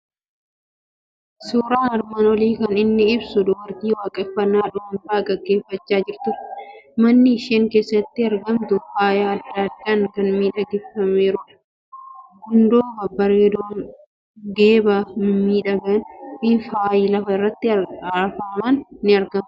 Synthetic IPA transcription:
suːɾaːnɐɾmɐnwɔliːkɐnɪnːɪɪbsʊd̪ʊbɐɾd̪iːwaːkʼɛfːɐnːaːᶑʊmɐmfaːɡɐɡːe̞ːfːɐt͡ʃːaːd͡ʒɪɾt̪ʊɾmɐnːɪɪʃeːŋke̞ːsːɐt̪ːɪɐɾɡɐmt̪ʊfaːjaːɐd̪ːad̪ːɐnkɐnmiːᶑɐɡɛfːɐmeːɾʊᶑɐ̥ | hʊnd̪oːbɐbɐɾeːd̪oːn | ɡeːbanʊmiːᶑɐɡɐnɪfaːjiːlɐfɐɪrːɐt̪ːɪɐɐɾfɐːmɐnnɪɐɾɡɐm

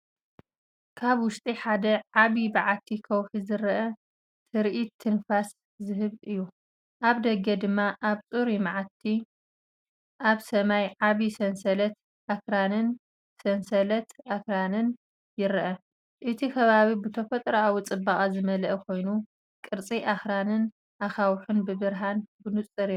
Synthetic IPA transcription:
kʰaβwʊʃt̪ʼiħad̪ɐʕaβibɨʕat̪ʰːikʰɐwħizɨɾʔɐ | t̪ʰɨɾʔit̪ʰːɨnfas | zɨɦɨβɨjːu | ʔaβd̪ɐɡːɐd̪ɨmːaʔaβt͡sʼuɾimaʕat̪ʰːi | ʔaβsɐmajʕaβisɐnsɐlɐt̪ | ʔakɾanɨn | sɐnsɐlɐt̪ʔakɾanɨn | jɪɾʔɐ | ʔɨt̪ʰikʰɐβaβibɨt̪ʰɐfɐt̪ʼɾoawut͡sʼɨbakʼazɨmɐlɐʔkʰo̞jnu | kʼɨɾt͡sʼiʔaxɾanɨn | ʔaxawħunbɨβɨɾɦanbɨnut͡sʼɨɾi

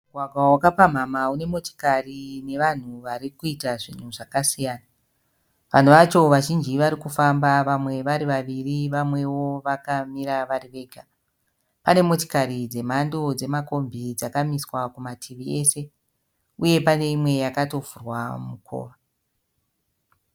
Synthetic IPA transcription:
mmuɡʱwaɡʱwawakapam̤amaune̞moti̥karine̞ʋan̤uʋaɾikuitaʐin̤uʐakasijaːna | ʋa̰n̤uʋat͡ʃo̞ʋaʒind͡ʒiʋaɾikufambaʋamwe̞ʋaɾiʋaʋiriʋamwe̞wo̞ʋakamiɾaʋariʋe̞ːɡʱa | pane̞mo̞ti̥kaɾid͡ze̞m̤ando̞d͡ze̞mako̞mbʱid͡zakamiswakumatʰiʋie̞se̞ | uje̞pane̞imwe̞jakato̞vurwamukʰo̰ːʋa

